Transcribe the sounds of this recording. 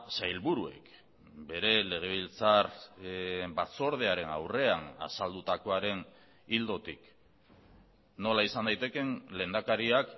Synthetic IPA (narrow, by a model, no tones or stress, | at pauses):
sajlβuɾue̞̰k | be̞ɾe̞le̞ɣ̞e̞β̞ilt͡sar | bat͡so̞ɾð̞e̞aɾe̞na̰wre̞ana̰sald̪ut̪ako̞aɾe̞n | ild̪o̞t̪ik | no̞laisand̪ajt̪e̞ke̞nle̞ːnd̪akaɾiak